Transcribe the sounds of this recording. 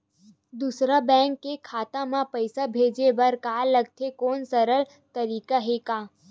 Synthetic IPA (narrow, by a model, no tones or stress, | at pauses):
d̪usɾabɛ̃ːŋkːekʰaːt̪ãmãpəɪsabʱeːd͡ʒeʋəɾkaːləɡt̪ʰekoːnsəɾəɭ | t̪əɾiːkaɦekaː